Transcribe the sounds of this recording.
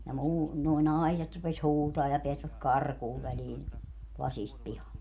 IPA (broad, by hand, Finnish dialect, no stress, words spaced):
jɑ muː nuo nɑi̯set rupes huːtɑː jɑ peæsʋæk kɑrkuːʋ ʋæliːn lɑsist pihɑlːe